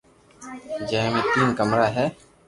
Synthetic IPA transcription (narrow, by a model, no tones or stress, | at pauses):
d͡ʒɛɦmẽːt̪iːnkəmɾaːɦɛː